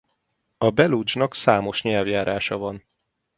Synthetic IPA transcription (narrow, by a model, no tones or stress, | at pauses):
ɒbɛlud͡ʒnɒksaːmo̞ʃɲɛlvjaːɾʔaːʃɒvɒn